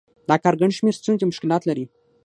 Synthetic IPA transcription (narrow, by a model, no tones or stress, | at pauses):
d̪ɑkɑɾɡaɳɖʃmeɾst͡sunkemʊʃkɪlɑt̪laɾi